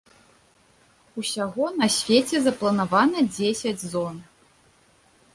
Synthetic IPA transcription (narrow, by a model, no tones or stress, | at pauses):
usʲaɣɔnɐsʲvʲet͡sʲɛzɐplˠɐnavanɐd͡zʲesʲɐd͡zʲzɔn